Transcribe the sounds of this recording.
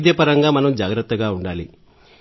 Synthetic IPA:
d̪eːpɐɾɐŋɡaːmɐnɐmd͡ʒaːɡɾɐt̪ːɐɡaːuɳɖaːli

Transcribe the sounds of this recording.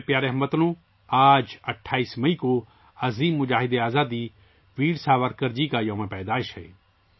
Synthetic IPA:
pjaːɾeɦɐmːət̪nũ | aːd͡ʒɐʈʰːaːiːsmɐiko | ɐziːmːʊd͡ʒaːɦɪd̪eaːzaːd̪i | ʋiːɽsaːʋəɾkəɾd͡ʒikajõːmẽpɛːd̪aːɪʃɦɛ̰ː

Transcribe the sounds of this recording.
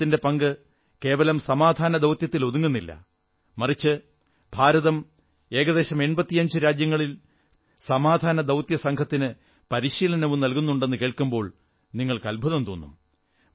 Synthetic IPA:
tːinde̞pɐŋɡɨ | ke̞ːʋɐlɐmsɐmaːd̪ʱaːnɐd̪ɐwt̪jɐt̪ːiloðuŋːunːilːɐ̰ | mɐrit͡ɕːɨ | bʱaːɾɐðɐm | e̞ːɡɐðe̞ːɕɐme̞nbɐt̪ːijɐɲd͡ʑɨɾaːd͡ʑjɐŋːɐɭil | sɐmaːd̪ʱaːnɐd̪ɐwt̪jɐsɐŋɡʰʱɐt̪ːinɨ | pɐɾiɕiːlɐnɐʋumnɐlkunːuɳɖe̞nːɨke̞ːɭkumbo̞ːɭ | niŋːɐɭkɐlbʱɐðɐmt̪oːnːṵm

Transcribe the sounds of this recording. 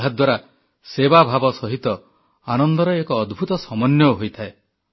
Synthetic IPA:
ad̪waɾa | sebabʱabɔsɔɦit̪ɔ | anɔnd̪ɔɾɔekɔːd̪bʱut̪ɔsɔmɔnjɔɦojt̪ʰae

